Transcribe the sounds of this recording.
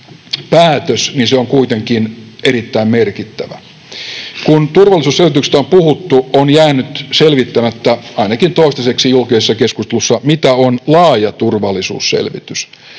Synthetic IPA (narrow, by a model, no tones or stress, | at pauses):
pæːt̪øsninseoŋkuit̪eŋkineɾit̪ːæimmerkit̪ːæʋæ̰ | kunt̪urʋɑlːˑisuːselʋit̪ysĕ̥t̪æompuhut̪ːuonjæːnyt̪selʋit̪ːæmæt̪ːæɑinɑkint̪oist̪ɑseksijulkisesːɑkeskust̪elusːɑmit̪æonlɑːjɑt̪urʋɑlːˑisṵːssḛlʋḭt̪ys